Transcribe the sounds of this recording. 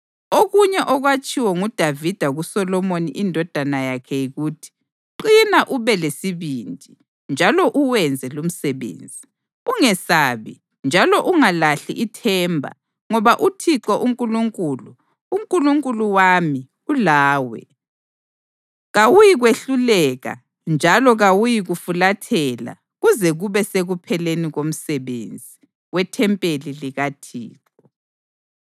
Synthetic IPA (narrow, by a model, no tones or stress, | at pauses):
oɣuɲɛʔɔɣwat͡ʃʼiwɔŋud̥ʱavid̥ʱaɣusɔlɔmonḭʔindʱɔd̥ʱanajakʰɛjiɣuːtʰi̥ | ǃinaʔuβɛlesiβindʱʼi | nd͡ʒʱalɔʔuwɛnd͡zʱɛlum̩sɛβḛːnd͡zʱi | uŋɛsaβḭ | nd͡ʒʱalɔʔuŋalaɬḭʔitʰɛmbʱa̰ | ŋɔβaʔutʰiǁɔʔuŋkʼuluŋkʼulu | uŋkʼuluŋkʼuluwami | ulaːwɛ̰ | ɣawujiɣweɬulɛɣa̰ | nd͡ʒʱalɔɣawujiɣufulatʰɛla̰ | ɣuzɛɣuβɛseɣupʰɛleniɣom̩sɛβḛnd͡zʱi | wɛtʰɛmpʼeliliɣatʰḭːǁ | ɔ